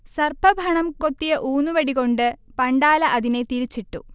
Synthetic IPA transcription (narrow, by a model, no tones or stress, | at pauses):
sɐrbʰʱɐbʱɐɳɐmkot̪ːijɐʔuːnuʋɐɽiɣo̞ɳɖɨpɐɳɖaːlɐʔɐðine̞t̪iɾit͡ɕːiʈːṵ